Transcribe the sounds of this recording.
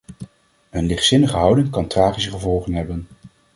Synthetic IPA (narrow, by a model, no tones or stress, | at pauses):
ɦɵnlɪχtsɪnəχəɦɑwdɪŋkɑntraːχisəχəvɔlˠχənɦɛbən